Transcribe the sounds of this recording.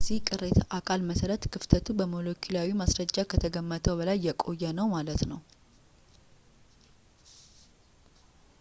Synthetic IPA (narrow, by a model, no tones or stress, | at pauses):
zihkʼɨɾet̪ʰəʔakʰalməsəɾət̪kʰɨft̪ʰət̪ʰubəmolokʰilawimasɾəd͡ʒːakʰət̪ʰəɡəmːət̪ʰəwbəlajːɛkʼo̞jːɛnəwmalət̪nəw